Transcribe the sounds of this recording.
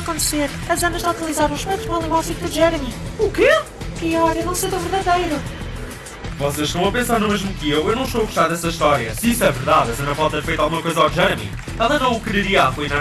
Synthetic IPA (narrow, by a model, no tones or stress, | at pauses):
kõnt̪seɾ | ɐzɐnɐʒðakɐlˠizaɾɐ̃w̃ʃmɛ̃t̪ʒɐ̃lˠĩɡwazit̪uʒɛɾmiuke | piɔɾɐnɐ̃w̃sejt̪ɐ̃w̃vɨɾðɐðɐjɾu | vɔseʃt̪ɐ̃w̃ɐpẽsaɾnumeʒmukɨewewnɐ̃w̃ʃt̪oɐɣuʃt̪aɾðɛsɐiʃt̪ɔɾjɐsisɛvɨɾðaðɛsɐnɐfalˠt̪ɐfɐjt̪alˠɣumɐkojzɐawʒɛɾmḭ | ɛlˠɐnɐ̃w̃ukɾɨɾiɐaflˠina